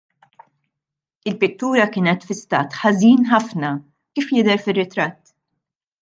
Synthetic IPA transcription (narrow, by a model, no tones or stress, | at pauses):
ɪlpɪt̪ːuːɾɐkɪːnɛt̪fɪst̪ɐ̰ːt̪ħɐziːnħɐfnɐ | kiːfjɪd̪ɛɾfɪrːɪt̪ɾɐt̪ː